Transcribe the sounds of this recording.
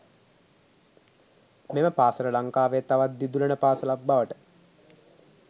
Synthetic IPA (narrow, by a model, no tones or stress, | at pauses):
meməpaːsəɾəlaŋkaːʋeːt̪aʋat̪̚d̪id̪ulənəpaːsəlabːaʋəʈə̥